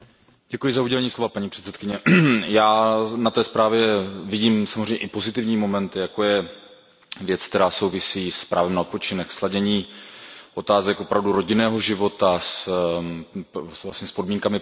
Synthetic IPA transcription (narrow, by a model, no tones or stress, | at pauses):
ɟ̥ɛkujɪzauɟɛlɛɲiːslo̞vapaɲiːpr̥ɛt̪sɛt̪kɪɲɛjaːnat̪ɛːspɾaːvjɛvɪɟiːmsamozrɛjɲɛʔɪpo̞zɪt̪ɪvɲiːmo̞mɛnt̪ɪjako̞jɛ | vjɛt͡sk̚t̪ɛɾaːso̞wvɪsiːspɾʔaːvɛmnaot̪po̞t͡ʃɪnɛxslaɟɛɲiːʔo̞t̪aːzɛkʔopɾavduɾo̞ɟɪnɛːɦo̞ʒɪvo̞t̪as | svla̰sɲɛspo̞dmiːŋkamɪ